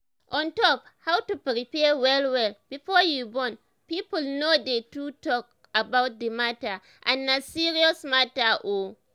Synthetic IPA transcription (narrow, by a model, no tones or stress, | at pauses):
ʔɔ̃ntɔphawtupɾipɛwɛlwɛlb̥ifɔjubɔ̃n | pipulnodetutɔk̚ | abawt̚d̪imata | ʔã̰nːasiɹiɔsmataʔo